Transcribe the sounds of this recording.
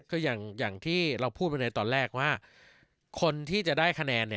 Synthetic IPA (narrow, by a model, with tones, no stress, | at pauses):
kʰɯː˧jaː˨˩ŋjaː˨˩ŋt̪ʰiː˥˩ɾa˧wpʰuː˥˩t̪̚pa˧jna˧jt̪ɔː˧nɾɛː˥˩k̚waː˥˩ | kʰo˧nt̪ʰiː˥˩t͡ɕa˨˩ʔdaː˥˩jkʰa˧nɛː˧nːi˥˩